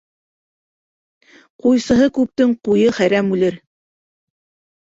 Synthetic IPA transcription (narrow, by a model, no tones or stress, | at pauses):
qujsɤ̆ɦɤkʉp̚t̪ɘɴqujɤχæjɾæmʉlɘɾ